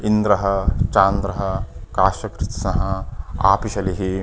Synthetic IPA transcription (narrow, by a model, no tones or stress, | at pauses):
ind̪ɾɐɦɐ̆t͡ʃaːnd̪ɾɐɦɐkaːʃɐkɾɪt̪sɐɦɐa̰ːpiʃɐliɦi